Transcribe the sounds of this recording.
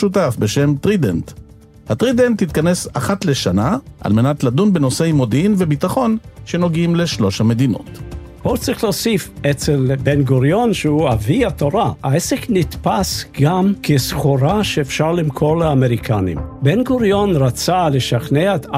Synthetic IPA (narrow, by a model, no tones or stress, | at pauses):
utafbeʃe̞mt̪ʁident | hat̪ʁidenthit̪̚kane̞saχatle̞ʃanaʔa̰lme̞natladunbeno̞sejmodinvebitaχo̞nʃe̞no̞ɡimle̞ʃlo̞ʃhame̞d̪ino̞̰t | b̥ot͡sʁiχloːsifet͡selbenɡuɾjonʃeuaviat̪oɾaaeseknit̪pasɡamkʰesχuɾaʃeːfʃaʁlimkʰoɾleameʁikʰanḭmbenɡuɾjonɾat͡saleʃaχneet̪